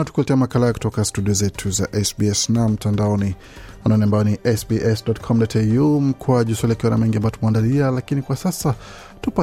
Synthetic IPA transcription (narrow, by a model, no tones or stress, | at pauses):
natu̥kulɛtɛamakalajaku̥tɔkastuɗiɔzɛtʰuzaʔɛsbiɛsnam̩tʰandaɔni | wanɔniambajɔniʔɛsbiʔɛsdɔtkʰɔmdɔtʰɛjum̩kwaʄuswaliakiwana̰mɛŋɡiambajɔtumuandalialakinikwasasa | tupa